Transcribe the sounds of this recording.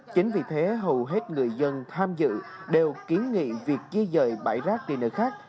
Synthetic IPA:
t͡ɕï˨˦ŋ̟vi˨˩t̪ʰe˨˦ɦə˨˩wɦe˦˥t̚ŋɨ˨˩əjzə˧nt̪ʰaː˧mzɨ̰˧˨ɗe˨˩wki˨˦ənŋḭ˧˨vi˨˩ək̚t͡ɕi˧əzəː˧˩jɓa̰ː˧˩jzaː˦˥k̚ɗḭ˨˩nɨ̰˧˩xaː˦˥k̚

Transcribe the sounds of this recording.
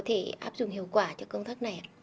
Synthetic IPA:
t̪ʰe˧˩ʔaː˦˥p̚zʊ̰˨˧˩ŋ͡mhḭ˧˨əwkwaː˧˩t͡ɕɔ˧kə˧wŋ͡mt̪ʰaː˦˥k̚na˨˩ja˨

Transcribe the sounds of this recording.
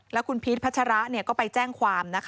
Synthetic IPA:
lɛː˦˥wkʰu˧npʰi˦˥t̪̚pʰa˦˥a˧ɾa˦˥ʔni˥˩kɔː˥˩pa˧jt͡ɕɛː˥˩ŋkʰwaː˧mna˦˥kʰ

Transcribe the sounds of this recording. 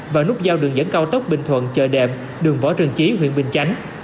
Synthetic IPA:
vaː˨˩nʊ˦˥k͡p̚zaː˧wɗɨ˨˩əŋzə̰˧˥nkaː˧wt̪ə˦˥wk͡p̚ɓï˨˩ŋ̟t̪ʰwə̰˧˨nt͡ɕəː˧˨˩jɗɛ̰˧˨˩m̚ | ɗɨ˨˩əŋvɔ̰˧˦t͡ɕɨ˨˩əŋt͡ɕi˨˦ɦwḭ˧ənɓï˨˩ŋ̟t͡ɕa˨˦jŋ̟

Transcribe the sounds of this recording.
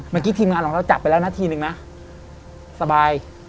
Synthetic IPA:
maː˧˩ki˦˥t̪ʰiː˧mŋaː˧kʰɔː˨˩˦ɾa˧wt͡ɕa˨˩p̚ːjlːɛ˦˥˩na˦˥t̪ʰiː˧nɯ˨˧ŋna˦˥ | sa˧baː˧j

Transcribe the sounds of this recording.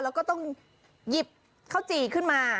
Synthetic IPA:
lɛ˦˥wkɔː˥˩t̪ɔ˥˩ŋ | ji˨˩p̚ | kʰa˥˩wt͡ɕiː˧˩kʰɯ˥˩nmaː˧

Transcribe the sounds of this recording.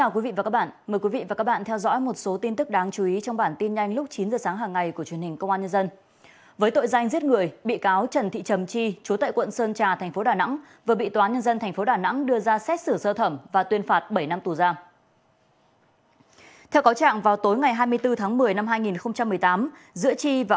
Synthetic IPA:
t͡ɕaː˧˩ki˨˦vḭ˧˨va˨˩a˦˥ɓa̰ː˧˨nməː˨˩jkwi˨˦vḭ˧˨vaː˨˩kaː˦˥k̚ɓaː˧˨nt̪ʰɛ˧wzɔ̰˧˥jmo˨˩t̚so˨˦t̪i˧nt̪ɨ˦˥k̚ɗaː˨˦ŋt͡ɕu˨˦i˨˦t͡ɕɔ˧wŋ͡mɓaː˧˩nt̪i˧nɲa˧jŋ̟lʊ˦˥k͡p̚t͡ɕi˨˦nzəː˨˩saː˨˦ŋɦaː˨˩ŋːa˨˩jku˧˩ət͡ɕwi˧˩ənhï˨˩ŋ̟kə˧wŋ͡mʔaː˧ɲə˧nzə˧n | vəː˨˦jt̪o̰˧˨jza˧jŋ̟zi˦˥ət̚ŋɨ˨˩əjɓḭ˧˨kaː˨˦wt͡ɕə˨˩nt̪ʰḭ˧˨t͡ɕə˨˩mt͡ɕi˧t͡ɕu˨˦t̪a̰ː˧˨jkwə̰˧˨nsəː˧nt͡ɕaː˨˩t̪ʰɛ˨˩ŋ̟fo˨˦ɗaː˨˩na̰˧˥ŋ | vəː˨˩ɓḭ˧˨t̪waː˨˦nɲə˧nzə˧nt̪ʰŋ̟fo˨˦ɗaː˨˩na̰˧˥ŋɗɨ˧əzaː˧sɛ˦˥t̚sɨ˧˩səː˧t̪ʰə˧˩mvaː˨˩t̪wi˧ənfaː˨˩t̚ɓə˧˩jna˧mt̪u˨˩zaː˧ | t̪ʰɛ˧wkaː˨˦wt͡ɕa̰ː˧˨ŋvaː˨˩wt̪o˨˦jŋa˨˩jɦaː˧jmɨ˧əjt̪ɨ˧t̪ʰaː˨˦ŋmɨ˨˩əjna˧mɦaː˧jŋi˨˩nxə˧wŋ͡mt͡ɕa˧mːɨ˨˩əjt̪aː˨˦m | zɨ̰˧˥ət͡ɕi˧vaː˨˩

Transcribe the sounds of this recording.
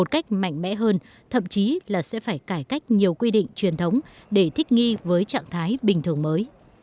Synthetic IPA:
o˨˩t̚ka˦˥jk̟̚ma̰˧˨jŋ̟mɛ̰˧˥ɦəː˧n | t̪ʰə̰˧˨mt͡ɕi˨˦laː˨˩sɛ̰˧˥faː˧˩jkaː˧˩jka˦˥jk̟̚ɲi˨˩əwkwi˧ɗḭ˧˨ŋ̟t͡ɕwi˨˩ənt̪ʰə˨˦wŋ͡mɗe˧˩t̪ʰï˦˥k̟̚ŋi˧vəː˨˦jt͡ɕa̰ː˧˨ŋt̪ʰaː˨˦jɓï˨˩ŋ̟t̪ʰɨ˧˩əŋməː˨˦j

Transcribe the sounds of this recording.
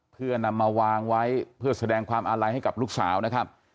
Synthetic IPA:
pʰɯ˥˩ɐna˧mːaː˧waː˧ŋwa˦˥jpʰɯ˥˩ɐsa˧dɛː˧ŋkʰwaː˧mʔaː˧ɾa˧jha˥˩jka˨˩p̚luː˥˩k̚sa̰ː˩˦wna˦˥kʰa˦˥p̚

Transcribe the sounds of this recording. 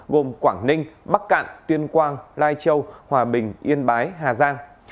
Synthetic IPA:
ɣo˨˩mkwaː˧˩ŋnï˧ŋ̟ɓa˦˥k̚ka̰ː˧˨nt̪wi˧ənkwaː˧nlaː˧jt͡ɕə˧whwaː˨˩ɓï˨˩ŋ̟ʔi˧ənɓaː˨˦jɦaː˨˩zaː˧ŋ

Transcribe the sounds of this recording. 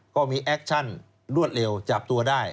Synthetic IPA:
kɔː˥˩miː˧ʔɛ˦˥k̚t͡ɕʰa˥˩n | ɾu˥˩ət̪̚le˧wt͡ɕa˨˩p̚t̪u˧ɐdaː˥˩j

